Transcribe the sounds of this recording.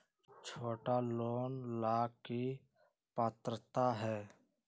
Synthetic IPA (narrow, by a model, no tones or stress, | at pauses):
t͡ʃʰoːʈaloːnlaːki | pəːt̪ɾət̪aɦɛː